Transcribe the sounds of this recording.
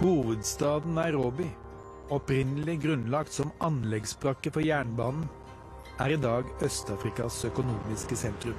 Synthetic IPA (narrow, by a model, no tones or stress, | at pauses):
huːʋəd̪st̪ɑːd̪n̩æɾoːbɪ | ɔpɾɪnəlɪɡɾʉnlɑkt̪sɔmɑnlɛɡsbɾɑkːəfɔjæːɳbɑːnn̩ | æːɾid̪ɑːɡœst̪ɑːfɾɪkɑsœkʊnuːmɪskəsɛnt̪ɾʉm